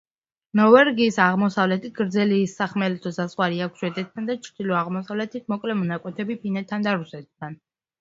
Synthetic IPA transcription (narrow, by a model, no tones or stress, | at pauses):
nɔvɛɾɡiːsaʁmɔsavlɛt̪ʰit̪̚ɡ̥ɾd̪zɛliːsaχmɛlɛt̪ʰɔsazχwaɾiakʷʰʃwɛd̪ɛt̪ʰːand̪at͡ʃʰɾd̪̥ilɔaʁmɔsavlɛt̪ʰit̪̚ʰmɔkʼlɛmɔnakʼwɛt̪ʰɛbipʰinɛt̪ʰːand̪aɾusɛt̪̚ːʰan